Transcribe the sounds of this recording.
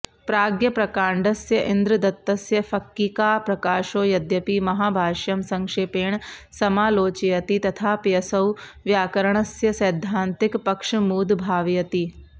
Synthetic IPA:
pɾaːɡjɐpɾɐkaːɳɖɐsjɐʔind̪ɾɨd̪ɐt̪ːɐsjɐfɐkːikaːpɾɐkaːʃoːjɐd̪jɐpimɐɦaːbʱaːʃjɐmsɐŋkʂeːpeːɳsɐmaːloːt͡ʃijɐt̪it̪ɐt̪ʰaːpjɐsɐw | ʋjaːkɐɾɐɳɐsjɐsɐjd̪ʱːaːnt̪ikpɐkʂmuːd̪bʱaːʋjɐt̪i

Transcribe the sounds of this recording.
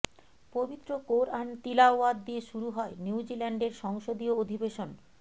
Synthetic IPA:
pobit̪ːɾokoɾant̪ilaoad̪ːieʃuɾuɦɔeniud͡ʑilɛɳɖeɾʃɔŋʃod̪iood̪ʱibeʃon

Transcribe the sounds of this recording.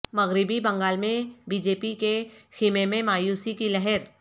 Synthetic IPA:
mɐɣɾɪbibɐ̃ŋɡaːlmẽbiːd͡ʒeːpikexɪmemẽmaːjuːsikilɛɦɛɾ

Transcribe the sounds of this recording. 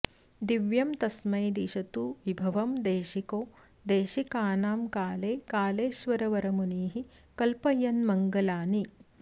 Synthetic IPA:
d̪iʋjɐmt̪ɐsmɐjd̪iʃɐt̪uʋibʱɐʋɐmd̪eːʃikoː | d̪eːʃikaːnaːmkaːleːkaːleːʃʋɐɾɐʋɐɾɐmuniːɦi | kɐlpɐjɐnmɐŋɡɐlaːni

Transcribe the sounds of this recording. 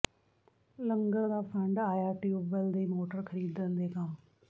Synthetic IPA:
lə̃ŋɡəɾd̪aːpʰə̃ɳɖaːjaːʈiːuːbəld̪eːmoːʈəɾkʰəɾiːd̪ə̃nd̪eːɡaː

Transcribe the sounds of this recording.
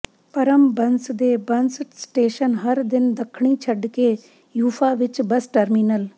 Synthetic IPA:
pɐɾəmbɐnsd̪eːbɐnssʈeːʃənɦɐɾd̪ɪnd̪ɐkʰɳ̃iːt͡ʃʰəɖkeː | juːfʰaʋɪt͡ʃbɐsʈəɾmiːnəl

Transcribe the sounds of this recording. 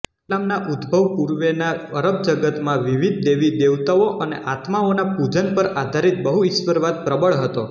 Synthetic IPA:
lamnaʔud̪bʱəʋpuɾʋenaəɾəb̚d͡ʒəɡət̪mãʋiʋid̪̚ʱd̪eʋid̪eʋt̪aoʔənḛʔat̪maonapud͡ʒənpəɾad̪ʱaɾit̪̚bəɦuɪsʋəɾʋad̪̚pɾəbəɭɦət̪o

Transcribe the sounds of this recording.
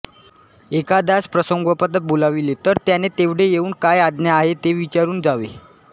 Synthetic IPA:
ekad̪aspɾəsəŋɡəpət̪ːət̪̚bolaʋilet̪əɾt̪janet̪eʋɽ̤ejeuːnkajad̪njaaɦet̪eʋit͡ɕaɾuːnd͡zaʋḛ

